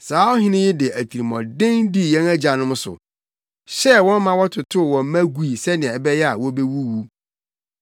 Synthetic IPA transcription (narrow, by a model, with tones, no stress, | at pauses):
saː˨˦ɔ˦ɦɪ̃˦nɪ̃˦jɪ˦dɪ˨ʔæ˨tʰi˨ɾi˨mɔ̃˨dɪ̃˦ŋdi˦˨jɛ̃˦næ˦d͡ʑa˨nʊ̃˦mʊ̃˦sʊ̰˨ | ɕɛ˦wɔ̃˦n˦mã˦wɔ˦tʰʊ˨tʰʊ˦˨wɔ̃˨m˦mæ̃˦ɡu˨˦i˨sɛ˦nɪ̃˨ɛ̃˨ɛ˨bɛ˦jɛ˦a̰˨wɔ˦be˦wu˦wu˦